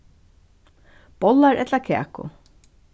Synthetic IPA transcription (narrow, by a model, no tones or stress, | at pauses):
b̥ɔlaɹʔɛt̪lakʰɛ̰ːkʊ̰